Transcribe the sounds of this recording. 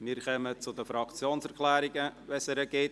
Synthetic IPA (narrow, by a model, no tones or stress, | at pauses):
miːɾkœmət͡sʊdəfɾɑkt͡sjoːnsɛɾkʰlɛːɾɪɡəvɛsɛɾəɡet